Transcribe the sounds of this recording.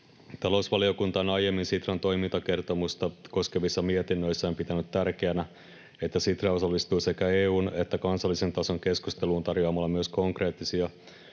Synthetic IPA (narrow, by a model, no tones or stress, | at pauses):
t̪ɑlo̞usʋɑlio̞kunt̪ɑonɑje̞mːinsit̪rɑnt̪o̞jmint̪ɑke̞rt̪o̞must̪ɑko̞ske̞ʋisːɑmiet̪inːøjsːæompit̪ænyt̪ːærkeænæ | e̞t̪ːæsit̪rɑo̞sɑlːist̪uːse̞kæeːuːne̞t̪ːækɑnsɑlːise̞nt̪ɑso̞ŋke̞skust̪e̞luːnt̪ɑrjoɑmɑlːɑmyøsko̞ŋkre̞ːt̪ːisiɑ